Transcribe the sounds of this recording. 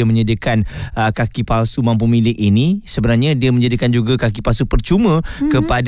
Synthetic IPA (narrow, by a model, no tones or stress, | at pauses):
amə̃ɲadikanʔəkakipalsumãmp̬umilɪkinisəbənarɲãdiamə̃ɲd͡ʒadikand͡ʒuɡakakipalsupərt͡ʃumə̃kəpad